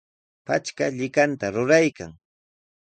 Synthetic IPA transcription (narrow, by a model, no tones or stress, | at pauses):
pat͡ʃkaʎɪkant̪aɾʊɾajka̰ŋ